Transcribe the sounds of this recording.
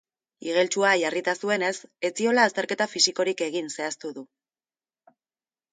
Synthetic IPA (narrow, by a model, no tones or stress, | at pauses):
iɣ̞e̞lt͡ʃuajarit̪asue̞ne̞se̞t͡sio̞laːst̪e̞ɾke̞t̪afisiko̞ɾike̞ɣ̞inse̞ast̪uðu